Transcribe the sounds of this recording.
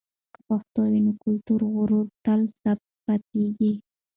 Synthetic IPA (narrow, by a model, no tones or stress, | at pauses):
kəpaxt̪owinokʊlt̪uɾɣʊɾuɾt̪alsab̪̚ | pat̪eɡi